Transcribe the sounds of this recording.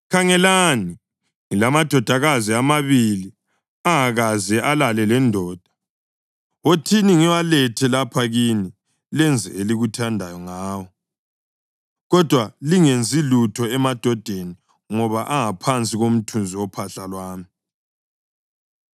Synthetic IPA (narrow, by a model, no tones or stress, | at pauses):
kʰaŋɛlani | ŋilamad̥ʱɔd̥ʱaɣaziamaβili | aŋaɣazɛʔalalɛlɛndʱɔːd̥ʱḁ | otʰiniŋiwalɛtʰɛlapʰaɣini | lɛnd͡zʱɛ̰eliɣutʰandʱajɔŋaːwɔ | ɣɔd̥ʱwaliŋend͡zʱilutʰɔɛmad̥ʱɔd̥ʱeni | ŋɔβaʔaŋapʰant͡sʼiɣom̩tʰund͡zʱiwɔpʰaɬalwaːmi